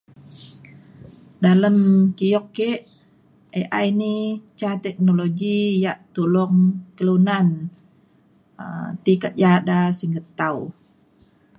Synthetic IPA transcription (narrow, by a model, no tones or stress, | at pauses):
daləmkijɔkːeʔ | eʔajnit͡ʃat̪ɛk̚noloɡijaʔt̪ulɔŋkəlunan | ət̪ikat̪̚jadasiŋɡət̪aw